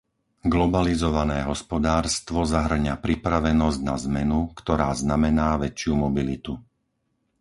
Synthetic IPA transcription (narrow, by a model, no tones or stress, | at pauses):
ɡlɔbalizɔʋanɛːɦɔspɔd̪aːɾst̪ʋɔzaɦr̩ɲapɾipɾaʋɛnɔzɟnazmɛnukt̪ɔɾaːznamɛnaːʋɛt͡ʃɪumɔbilit̪u